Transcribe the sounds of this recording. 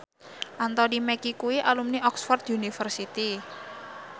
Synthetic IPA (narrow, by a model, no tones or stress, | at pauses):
ʔant̪ɔnimɛkikuiʔalumniʔɔksfɔrt̪junifərsit̪i